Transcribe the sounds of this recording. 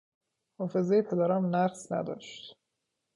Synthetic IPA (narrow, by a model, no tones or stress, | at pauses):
hɒːfe̞zejepʰed̪æɾɒmnæɾsnæ̰d̪ɒ̰ːʃt̪